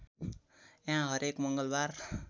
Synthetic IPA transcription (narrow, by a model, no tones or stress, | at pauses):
jɦãɦʌɾekmʌŋɡʌlbar